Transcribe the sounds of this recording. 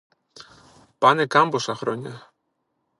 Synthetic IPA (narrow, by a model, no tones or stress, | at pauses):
panekambosaxɾonʲa